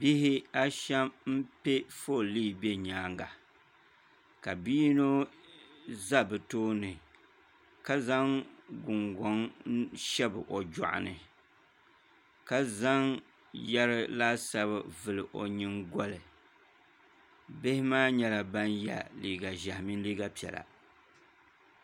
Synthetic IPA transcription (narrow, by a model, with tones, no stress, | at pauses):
bi˦hɪ˦a˦ʃɛ˦mm̩˦pe˦fo˦˨liː˦˨be˦ɲaː˨˦ŋɡa˨ | ka˨biː˦no˦ | za˦bɨ˨toː˦nɨ˨ | ka˦za˦ŋɡʊ˨ŋɡɔ˦ŋʃɛ˦bɨ˨ʔo˨d͡ʒɔ̰˨ʔʊ̰˨nɨ̰˨ | ka˦za˦ŋ | jɛ˦ɾɨ˦laː˦sa˦bɨ˦vɨ˨lɨ˨ʔo̰˨ɲɨ˦ŋɡɔ˦lɨ˨ | bɪ˦hɪ˦maː˦ɲɛ˦la˨ba˦nja̰˨liː˨ɡa˨ʒa˨hɪ˨mi˦n˦liː˦ɡa˦pi˨ɛ̰˨la̰˨